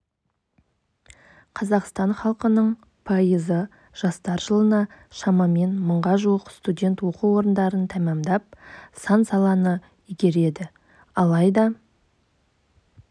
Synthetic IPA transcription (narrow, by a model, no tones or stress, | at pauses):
qʰɑzɑqst̪ɑɴχɑlˠqənəɴ | pʰɑjəzə | ʒ̥ɑst̪ɑɾʒəlˠənɑʃɑmɑme̞nməɴʁɑʒuwəqst̪udʲe̞nt̪wo̞quwo̞ɾənd̪ɑɾənt̪ʰæmɑmd̪ɑp̚sɑnsɑlˠɑnə | iɡʲe̞ɾe̞d̪ɪ | ɑlˠɑjd̪ɑ